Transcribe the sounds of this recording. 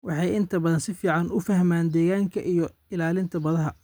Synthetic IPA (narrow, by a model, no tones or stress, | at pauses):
wɑħɑjɪnt̪ʰɐbɐðɐnsɪfiːʕɑnʊfɐhmaːnd̪ɛːɣaːŋkʰɐʔijɔ | ɪlaːlɪnt̪ʰɐbɐðɐɦɐ